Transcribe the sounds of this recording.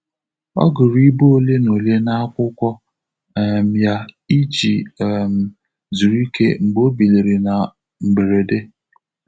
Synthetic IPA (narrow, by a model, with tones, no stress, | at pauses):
ɔ̰˦ɡʊ˨ɾi˦bo˦o˦˨le˦no˨le˦na˦a˦kʷʊ˦kʷɔ˦˨ | m̩˨ja˦i˦t͡ʃi˨m̩˨ | zu˨ɾi˦kḛ˦m̩˨ɡ͡bo˦bi˨li˨ɾi˨na˨ | m̩˨ɡ͡be˨ɾe˨de˦